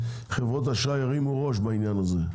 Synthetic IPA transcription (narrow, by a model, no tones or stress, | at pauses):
χevʁot̪haʃajaʁimuʁoʃ̬bainjanaze